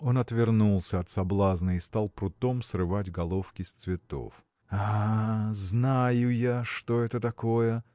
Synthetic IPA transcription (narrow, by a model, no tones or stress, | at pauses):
o̞nɐt̪vʲɪrnulˠsʲəɐt̪sɐblˠaznəɪst̪alˠpɾʊt̪o̞msrɨvatʲɡɐlˠo̞fkʲɪst̪svʲɪt̪o̞̰f | a | znajʊjaʂt̪oɛt̪ət̪ɐko̞jə